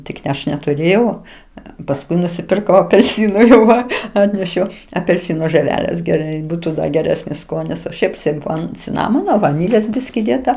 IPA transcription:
ˈtʲɪk nʲɛ ˈɐʃ nʲɛtʊˈrʲeːjɛʊ pɐsˈkʊɪ nʊsʲɪpʲɪrˈkɐʊ ɐpʲɛlʲˈsʲiːnʊ jɛʊ ˈʋɐ ˈɑːtʲnʲɛʃʲɛʊ ɐpʲɛlʲˈsʲɪnoː ʒɜˈʋʲæːlʲeːs ɡʲɛˈrɐɪ ˈbuːtʊ ˈdɐ ɡʲɛˈrʲæːsʲnʲɪs ˈskoːnʲɪs oː ˈʃʲɛɪp sʲɪmˈfoːn t͡sʲɪˈnɑːmoːnoː ʋɐˈnʲiːlʲeːs ˈbʲɪsʲkʲɪ ˈdʲeːtɐ

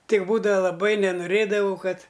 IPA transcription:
ˈtʲɪk ˈbuːdɐʋɐ lˠɐˈbɐɪ nʲɛnʊˈrʲeːdɐʋɐʊ ˈkɐt

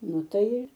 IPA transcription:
ˈnʊ ˈtɐɪ ɪr

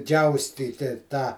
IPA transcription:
ˈd͡ʒʲɛʊsʲtʲiːtʲɪ tɑː

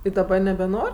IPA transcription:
ɪ dɐˈbɐ nʲɛbʲɛˈnoːrʲ

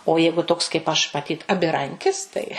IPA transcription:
oː ˈjɛɪɡʊ toːks kɐɪp ˈɐʃ mɐˈtʲiːt ɐbʲɪˈrɐŋʲkʲɪs ˈtɐɪ

